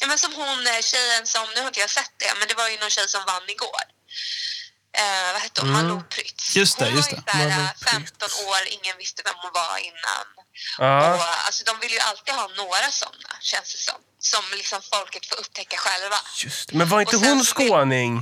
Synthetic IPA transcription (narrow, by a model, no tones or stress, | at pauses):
jɑːmɛnsɔmɦʊnɕɛjːənsɔmnɵhaɾɪnt̪əjaasɛt̪̚ːd̪ɛ̰mɛnd̪ɛvaɾjɵnɔnɕɛjːsɔmvanːɪɡoːɾ | vahɛt̪ːədɔmmaʊpʰːɾʏt̪sjɵst̪ɛjɵsɛafɛmt̪ɔnoːɾɪ̰ŋːənvɪst̪əvɛmhʊnva̰ɪ̰nːa̰nɑːa̰lsɔd̪ɔmvɪlːəjɵʔalt̪iːd̪ɦɑːnoːɾasɔ̰nːa̰ɕɛnsd̪ɛsɔ̰mː | sɔmlɪksɔmfɔlkət̪foːɾɵp̚t̪ʰɛkːaɧɛlva̰jst̪mɛnvaɾɪnt̪əɦʊnskoːnɪŋ